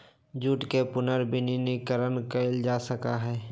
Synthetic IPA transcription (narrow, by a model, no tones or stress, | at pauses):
d͡ʒuːʈkepʊnəɾbɪninikəɾənkəɪld͡ʒaːsəkaɦɛː